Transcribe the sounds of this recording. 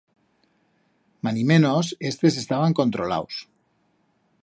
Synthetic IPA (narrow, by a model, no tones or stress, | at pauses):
manimenosest̪es̬est̪aβaŋkont̪ɾola̰ws